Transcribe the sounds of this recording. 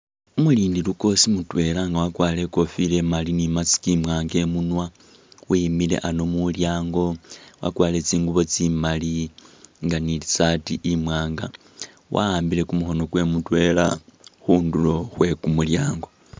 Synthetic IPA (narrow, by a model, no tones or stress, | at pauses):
umuliːndiluko̞simutwe̞laŋɡawakwaːle̞ko̞file̞malinimat͡si̥kimwaːŋɡe̞munwa | wimile̞̰ʔano̞muljaːŋɡo̞wa̰kwaːle̞t͡siːŋɡuβo̞t͡simaliŋɡaniit͡satiʔimwaːŋɡa | wʔa̰aːmbile̞kumuxo̞no̞ɡwe̞mutwe̞la̰xuːndulo̞xwe̞kumuljaːŋɡo̞